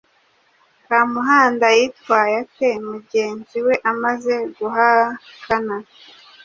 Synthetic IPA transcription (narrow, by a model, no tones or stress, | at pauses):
kamuɦaːndajitwaːjatemuɟe̞ːnziwe̞ʔamaze̞ɡuɦakana